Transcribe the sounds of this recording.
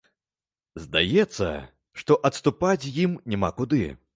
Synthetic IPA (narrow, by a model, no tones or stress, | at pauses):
zd̪a̰jɛt̪sːɐ̰ | ʂt̪ɔʔɐt̪st̪upat͡sʲjimnʲɛma̰kud̪ɨ̰